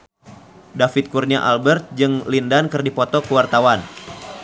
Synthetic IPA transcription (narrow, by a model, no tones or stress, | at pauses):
dafit̪̚kurɲaʔalbərt̪̚d͡ʒɨŋlindankɨrdipɔt̪ɔkəwart̪awan